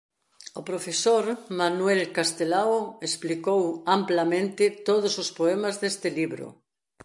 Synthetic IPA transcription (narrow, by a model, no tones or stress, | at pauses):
opɾofesoɾmanwelkast̪elaoesplikowamplamẽnt̪ɪt̪oð̞osospoemazðest̪eliβɾo̰